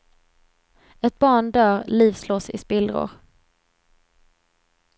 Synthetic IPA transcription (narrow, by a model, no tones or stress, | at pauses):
ɛt̪̚bɑːɳɖ̪œːɾliːvsloːsɪ̰spɪld̪ɾʊ̰ɾ